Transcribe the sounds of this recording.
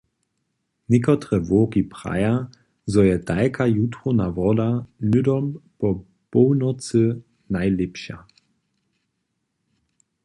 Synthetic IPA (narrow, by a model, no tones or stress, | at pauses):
nɪkɔt̪ʁɛvɔːkipʁa̰ja | zɔjɛd̥ajkʰajutʁɔnavɔdanʏdɔmpɔ | pɔwnɔt͡sɨ | najlɪpɕa̰